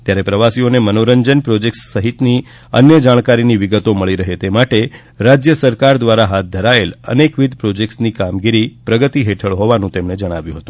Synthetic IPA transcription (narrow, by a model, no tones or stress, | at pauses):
t̪jaɾepɾəʋasionemənoɾəɲd͡ʒənpɾod͡ʒekssəɦit̪ni | ə̰njəd͡ʒaɽ̃kaɾiniʋiɡət̪oməɭiɾəɦet̪emaʈe | ɾad͡ʒjəsəɾkaɾd̪ʋaɾaɦat̪̚d̪ʱəɾaelə̰nekʋid̪ʱpɾod͡ʒek̚ʈsnikamɡiɾipɾəɡət̪iɦeʈʰəɭɦoʋanũt̪emned͡ʒəɽ̃aʋjũɦət̪ũ